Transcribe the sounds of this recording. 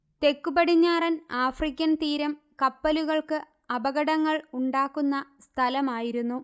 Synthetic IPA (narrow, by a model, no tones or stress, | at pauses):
t̪e̞kːubɐɽiɲːaːrɐnaːfrikʲːɐnt̪iːɾɐm | kɐpːɐluɣɐɭkɨ | ɐbɐɣɐɽɐŋːɐɭuɳɖaːkːunːɐst̪ʰɐlɐmaːjiɾunːu